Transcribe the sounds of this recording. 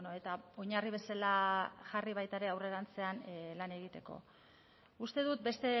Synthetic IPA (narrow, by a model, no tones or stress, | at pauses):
noe̞t̪ao̞ɲariβ̞e̞salaʝariβ̞ajt̪aɾe̞awre̞ɾant͡se̞anlane̞ɣ̞it̪e̞ko̞̰ | ust̪e̞ðut̪̚be̞st̪e